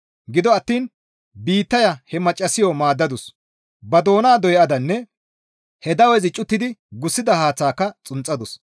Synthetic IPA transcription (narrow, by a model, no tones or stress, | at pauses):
ɡɪd̪ɔɐt̪ːiːn | biːt̪ːɐjɐhɛmɐt͡ʃʼːɐsɪjɔmaːd̪ːɐd̪ʊs | bɐd̪o̞ːnaːd̪ɔjʔɐd̪ɐnːɛ | hɛd̪ɐwɛzɪt͡ʃʼːʊt̪ːɪd̪ɪɡʊsːɪd̪ɐhaːt͡sːaːkːɐt͡sʼʊnt͡sʼːɐd̪ʊs